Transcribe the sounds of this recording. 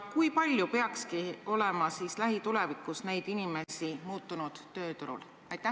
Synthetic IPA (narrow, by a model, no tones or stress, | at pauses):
kujpɑlʲjupe̞ɑkskio̞le̞mɑsiːslæɦit̪ulevikːˑusne̞jd̪̥inime̞simuːt̪ːˑunud̪̥ːø̞ːt̪uɾṵl | ɑjt̪ːˑæ